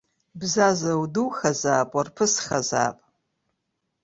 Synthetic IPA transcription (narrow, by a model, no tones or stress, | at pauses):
bzazawduwχazaːpʼwarpʰɨsχaza̰ːpʼ